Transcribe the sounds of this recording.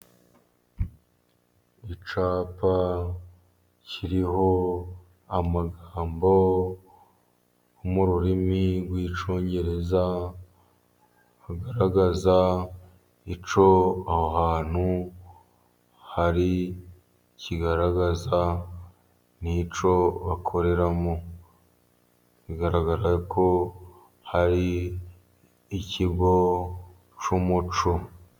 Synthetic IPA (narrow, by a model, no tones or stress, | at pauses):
it͡ʃaːpa | ciɾiho̞ | amaɡaːmbo̞ | muɾuɾimiɾɡwiːt͡ʃo̞ːɲɟe̞ɾe̞za | haɡaɾaɡaza | it͡ʃo̞ahohaːn̥u | haɾi | ciɡaɾaɡaza | nit͡ʃo̞βakʰo̞ɾe̞ɾamo | βiɡaɾaɡaɾakʰo̞ | haɾi | ciɡo̞ | t͡ʃumut͡ʃo